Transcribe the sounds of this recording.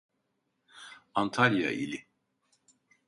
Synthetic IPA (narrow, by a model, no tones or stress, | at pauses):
ant̪ʰalʲja̰ʔilʲi